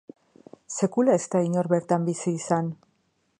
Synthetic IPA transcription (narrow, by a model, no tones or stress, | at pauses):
se̞kulae̞st̪aiɲo̞ɾβe̞ɾt̪ambisiːsan